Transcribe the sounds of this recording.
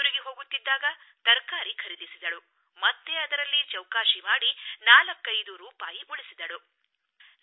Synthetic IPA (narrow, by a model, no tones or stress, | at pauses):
ɾiɡeɦo̞ːɡut̪ːid̪ːaːɡɐ | t̪ɐɾkaːɾikʰɐɾid̪isid̪ɐɭu | mɐt̪ːe̞ɐd̪ɐɾɐlːit͡ʃɐwkaːʃimaːɽinaːlɐkːɐjd̪uɾuːpaːjiʔuɭisid̪ɐɭu